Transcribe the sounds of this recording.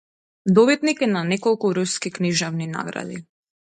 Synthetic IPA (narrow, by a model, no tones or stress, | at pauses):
d̪ɔβit̪nikɛnanɛkɔlˠkuɾuskikniʒavnina̰ɡɾa̰d̪i